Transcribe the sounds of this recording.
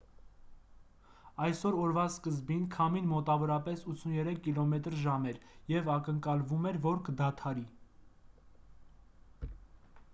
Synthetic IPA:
ɑjsɔɾɔɾvɑskəzbinkʰɑminmɔt̪ɑvɔɾɑpɛsut͡sʰːunjɛɾɛkʰːilɔmɛt̪ɾʒɑmɛɾjɛvɑkəŋkɑlvumɛɾvɔɾkəd̪ɑt̪ʰɑɾi

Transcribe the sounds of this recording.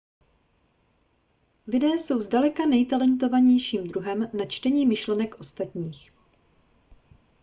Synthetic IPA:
lɪdɛːso̞wzdalɛkanɛjt̪alɛnt̪o̞vaɲɛjʃiːmd̪ɾuɦɛmnat͡ʃt̪ɛɲiːmɪʃlɛnɛkʔo̞st̪at̪ɲiːx

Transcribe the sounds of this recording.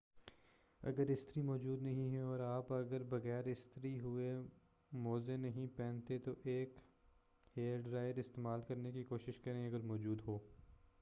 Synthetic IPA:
ɐ̰ɡəɾɪst̪əɾimɔːd͡ʒuːd̪nɐɦĩɦɛɔːɾaːpɐɡəɾbɐɣɛːɾɪst̪ɾiɦʊe | mɔːzenɐɦĩpɛ̃ːnt̪et̪oʔeːk | heːɾɖɾaːɪəɾɪst̪eːmaːlkɐɾnekikoːʃɪʃkɐɾẽeɐɡəɾmɔːd͡ʒuːd̪ɦoː

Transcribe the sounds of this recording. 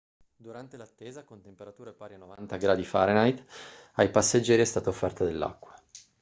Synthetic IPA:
d̪uɾant̪elat̪ːeːzakont̪empeɾat̪uːɾaepaːɾjanovant̪aɡɾaːd̪ifaɾenajt̪ajpasːed͡ʒːɛːɾiɛst̪aːt̪aofːɛrt̪ad̪elːa̰kːwa

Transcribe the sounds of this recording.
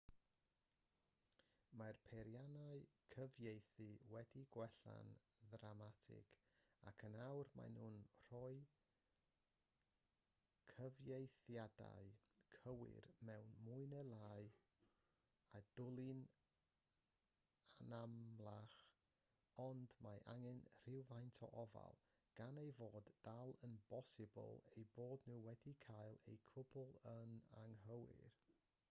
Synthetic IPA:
marpʰeɾjanaɨkʰəvjejθɨwɛdiɡwɛɬa̰n | ðramatʰɪ̰ɡ̥ | akʰənawrma̰jnhuːnr̥ɔɨ | kʰəvjejθjada̰ɨ | kʰəwɪ̰rmɛwnmuɨnəlˠaːɨ | ad̥ʊlˠɪn | anamlˠaχ | ɔndmaʔa̰ŋɪnr̥ɪwvajntʰɔ̰ʔɔva̰lˠ | ɡ̥anejvoːdːalˠənbɔsɪbə̰lˠejboːdnuwɛdikʰajlˠḛjkʰʊbʊlˠənaŋɦəwɪ̰r

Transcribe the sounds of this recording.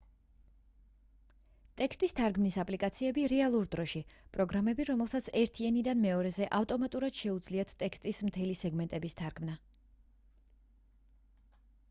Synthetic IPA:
t̪ʼɛkst̪ʼist̪ʰaɾɡmnisapʼlikʼat̪sʰiɛbiɾɛalˠuɾd̪ɾɔʃipʼɾɔɡɾamɛbiɾɔmɛlˠsat̪sʰɛɾt̪ʰianid̪anmɛɔɾɛzɛʔaft̪ʼɔmat̪ʼuɾad̪̥ʃɛud̪zliat̪ʰt̪ʼɛkst̪ʼismt̪ʰɛlisɛɡmɛnt̪ʼɛbist̪ʰaɾkʰmna

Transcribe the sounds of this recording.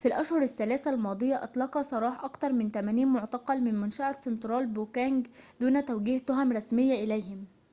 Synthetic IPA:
filʔæʃhʊɾˤasːælæːθælmɑːd̪ˤɨjːaʔɑt̪ˤlɑqɑsˤɑɾˤɑːħʔɑkt̪ɑɾˤmɪnt̪æmæːniːnmʊʕt̪ɑqɑlmɪnmʊnʃaʔasɪnt̪ɾɑːlbukæːŋɡd̪uːnæt̪æwɡiːht̪ʊɦæmɾˤɑsmɪjːaʔɪlæjhɪm

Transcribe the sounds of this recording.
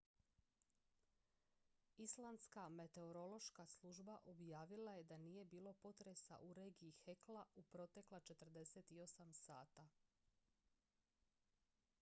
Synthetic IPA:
islˠand̪skame̞t̪e̞oɾo̞lo̞ʃkaslˠuʒbaʔo̞bjaːʋilaje̞d̪anije̞biːlˠo̞po̞t̪ɾe̞sa̰ʔuɾe̞ːɡiːxeklˠaupɾo̞t̪e̞klˠat͡ʃe̞t̪r̩d̪e̞set̪io̞samsaːt̪a

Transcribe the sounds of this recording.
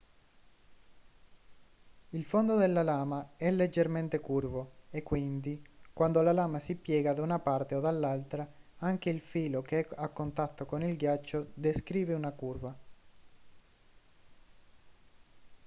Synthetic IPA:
ilfond̪od̪elːalaːmaɛlːed͡ʒːerment̪ekurvoekːwind̪ikwand̪olalaːmasipjɛːɡad̪aunapart̪eod̪alːalt̪ɾaaŋkeilfiːlokeɛakːont̪at̪ːokonilɡjat͡ʃːod̪eskɾiːveunakurva

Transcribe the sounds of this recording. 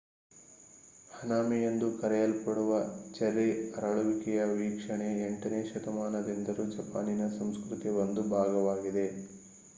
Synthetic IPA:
hɐnaːmijɐnd̪ukɐɾɛjɐlpɐɽuʋɐt͡ʃɐɾiɐɾɐɭuʋikɛjɐʋiːkʂɐɳe̞eɳʈɐneːʃɐt̪ɐmaːnɐd̪ind̪ɐɾud͡ʒɐpa̰ːninɐsɐmskɾut̪iʋond̪ubʱaːɡɐʋaːɡid̪e̞

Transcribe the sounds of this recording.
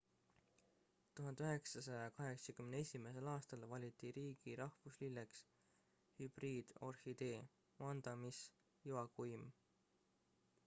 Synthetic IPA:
t̪uɦɑnd̪eyɦe̞ksɑsɑjɑkɑɦe̞ksɑkymneesʲime̞s̬e̞lɑːst̪ɑlvɑlʲit̪ːˑiɾiːɡ̥iɾɑhvuslilːeks | hyb̥riːd̪̥o̞rhid̪̥e̞ː | mɑnd̪̥ɑmis | juɑkujm

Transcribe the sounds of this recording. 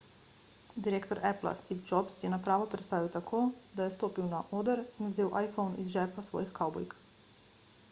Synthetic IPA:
d̪iɾeːk̚t̪ɔɾʔɛpla̰st̪iːfd͡ʒɔpsjɛnapɾaːʋɔpɾɛt̪st̪aːʋiwt̪akʰoːd̪ajɛst̪oːpiwnaʔoːd̪əɾinwzeːwʔajfownḭzʒɛːpasʋɔ̰ːjixkawbɔ̰jk

